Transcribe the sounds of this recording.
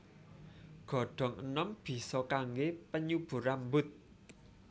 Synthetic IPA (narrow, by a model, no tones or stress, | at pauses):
ɡ̥ɔ̤ɖ̥ɔ̤ŋənɔmb̥i̤sɔkaŋɡepəɲub̥ṳɾambʊt̪̚